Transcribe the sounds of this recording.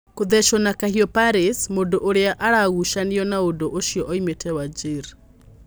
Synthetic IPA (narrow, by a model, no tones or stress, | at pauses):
koðɛʃɔnakahiɔpaɾismodoʔoɾeaʔaɾaɣuʃaneɔnaodoʔoʃijɔʔɔimetʰɛwad͡ʒeɾ